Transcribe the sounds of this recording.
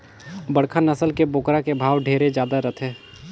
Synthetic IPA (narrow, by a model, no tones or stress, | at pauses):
bəɽkʰanɐsəlkebʊːkɾakebʱaːʋɖʱeːɾed͡ʒjaːd̪aɾɐt̪ʰɦɛː